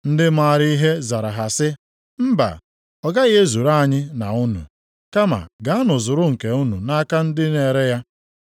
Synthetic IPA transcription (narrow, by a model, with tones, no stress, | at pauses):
n̩˦dɪ˦ma˨ɾi˦i˦ɦe˦za˨ɾa˨ɦa˨sɪ˦ | m̩˦ba̰˨ | ɔ˨ɡa˦ɣe˦zu˨ɾa˦˨ɲɪ˦na˨u˦nṵ˨ | ka˦ma̰˨ɡa˦a˦nʊ˨zʊ˨ɾʊ˦ŋ̩˨ke˨u˦nṵ˨na˦ka˦n̩˦dɪ˦ne˨ɾe˦ja˦